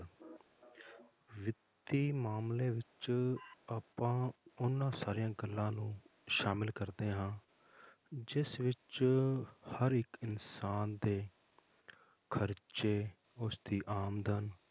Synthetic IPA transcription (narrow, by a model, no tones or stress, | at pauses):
ʋɪt̪iːmaːmleːʋɪt͡ʃ | aːpãːʊnːãːsaːɾijãːɡəlːãːnũːʃaːmɪlkəɾd̪eːɦãː | d͡ʒɪsʋɪt͡ʃ | həɾɪkɪnsaːnd̪eː | kʰəɾt͡ʃeː | ʊsd̪iːʔaːmd̪ən